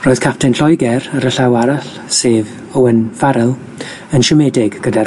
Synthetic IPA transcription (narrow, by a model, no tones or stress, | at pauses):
roːɨð̥kʰap̚tʰɛnɬɔjɡɛɾəɾəɬawaɾaɬ | seːv | əwənvaɾɛlˠ | ənʃəmɛdɪɡɡ̥əda